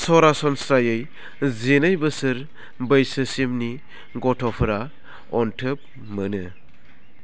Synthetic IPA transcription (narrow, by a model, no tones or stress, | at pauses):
sɔɾasɔnsɾajɯj | zenajbɯsɯɾ | bɯjsɯsimni | ɡɔtʰɔpʰɯɾa | ɔntʰɯp̚ | mɯnɯ